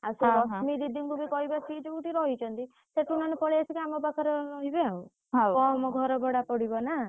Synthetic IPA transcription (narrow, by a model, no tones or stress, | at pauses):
asebɔɦmid̪id̪ʱiŋkubʱikɔɦibat͡ʃid͡ʒuʈiɾɔɦit͡ʃʰɔnt̪i | seʈunɔnepɔɭiat͡ʃʰikiamɔbakʰɔɾɔɾɔɦibeaw | ɦakɔmɔɡʱɔɾɔbɔɽapɔɽibɔna